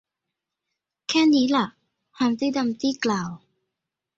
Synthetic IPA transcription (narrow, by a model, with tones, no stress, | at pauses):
kʰɛː˥˩niː˦˥la˨˩ʔ | haː˨˧˥nt̪iː˥˩da˧mt̪iː˥˩klaː˨˩w